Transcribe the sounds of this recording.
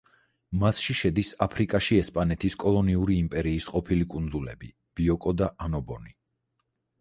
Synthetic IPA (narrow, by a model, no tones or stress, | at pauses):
masʃiʃɛd̪isapʰɾikʼaʃiɛspʼanɛt̪ʰiskʼɔlˠɔniuɾiːmpʼɛɾiːsqʼɔpʰilikʼund̪zulɛ̰bi | b̥iɔkʼɔd̪aʔanɔbɔni